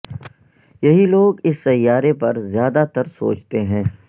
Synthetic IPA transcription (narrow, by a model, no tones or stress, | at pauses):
jɐɦiloːɡɪsːɐjːaːɾepɐɾzjaːd̪at̪ɐɾso̰ːt͡ʃt̪eɦɛ̃ː